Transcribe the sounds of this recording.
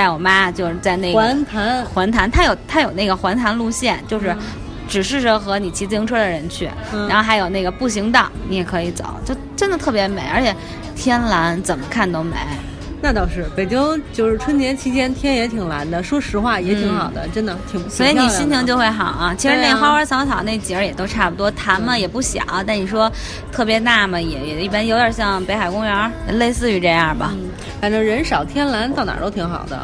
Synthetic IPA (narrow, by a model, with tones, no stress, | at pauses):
a˥˩ɪwɔ˨˩ma˥˧t͡ɕjo˥˧ʊʂɻ̩˥˧t͡sa˥˧ɪne˥˩˧nt̪ʰa˧˥nxwa˧˥nt̪ʰa˧˥nt̪ʰa˥jo˨˩ʊt̪ʰa˥jo˨˩ʊna˥˩ɡə˩xwa˧˥nt̪ʰa˧˥nlu˥˧ɕjɛ˥˩nt͡ɕjo˥˧ʊʂ̬ɻ̩˥˩ | ʈ͡ʂɻ̩˨˩ʂɻ̩˥˩ʂɤ˥˩xɤ˧˥ni˨˩t͡ɕʰi˧˥t͡si˥ŋʈ͡ʂʰɤ˥d̪ə˨ɻə˧˥nt͡ɕʰy̰˥˩˥ | a˩a˧˥nxo˥˧xa˧˥jo˨˩ʊna˥˩ɡə˩pu˥˩ɕi˧˥ŋt̪ɑ˨˩˦ŋni˧˥jɛ˨˩kʰɤ˧˥i˧˥t͡so̰˨˩˦ʊt͡ɕjo˥˩ʊʈ͡ʂə˥nd̪ə˨t̪ʰɤ˥˩p̬ʲjɛ˧˥me˧˥ɪʔə˞˧˥t͡ɕʰjɛ˨˩ | t̪ʰjɛ˥nla˧˥nt͡sə˨˩mə˦kʰa˥˩nt̪o˥ʊme˧˥ɪ | na˥˧t̪ɑ˥˧ʊʂɻ̩˥˩pe˨˩ɪt͡ɕi˥ŋt͡ɕjo˥˧ʊʂɻ̩˥˩ʈ͡ʂʰwə˥nt͡ɕjɛ˧˥nt͡ɕʰi˧˥t͡ɕjɛ˥nt̪ʰjɛ˥njɛ˧˥t̪ʰi˨˩ŋla̰˧˥nd̪ə˧ʂwɔ˥ʂɻ̩˧˥xwa˥˩jɛ˧˥i˧˥ŋxɑ˨˩ʊd̪ə̰˦ʈ͡ʂə˥nd̪ə˨t̪ʰi˨˩ŋ˧˥swɔ˧˥i˧˥ni˨˩i˥nt͡ɕʰi˧˥ŋt͡ɕjo˥˧ʊxwe˥˩ɪxɑ˨˩˦ɐ˦t͡ɕʰi˧˥ʂɻ̩˧˥ne˥˩ɪxɑ˥ʊwə˞˧˥t͡sʰɑ˧˥ŋt͡sʰɑ˨˩ʊne˥˩ɪt͡ɕi˨˥ə˥jɛ˨˩t̪o˥ʊʈ͡ʂʰa˥˩pu˩t̪wɔ˥t̪ʰa˧˥nmə˧jɛ˨˩pu˥˩ɕjɑ̰˨˩˦ŋɐ˦t̪a˥˩ni˨˩ʂ̬wɔ˥ | t̪ʰɤ˥˩pjɛ˧˥na˥˩mə˩jɛ˨˩jɛ˨˩i˥˩pa˥njo˧˥ʊjə˨˩ɕjɑ˥˩ŋpe˧˥ɪxa˨˩ɪkʊ˥ŋɥə˧˥jɛ˨˩le˥˧ɪsɹ̩˥˧y˧˥ʈ͡ʂɤ˥˧jɑ˥˩bɐ̰˩˥˩ | fa˨˩nʈ͡ʂɤ˥˩ɻə˧˥nʂɑ˨˩ʊt̪ʰjɛ˥nla˧˥nt̪ɑ˥˩ʊna̰˨˩t̪o˥ʊi˧˥ŋxɑ̰˨˩ʊd̪ə̰˦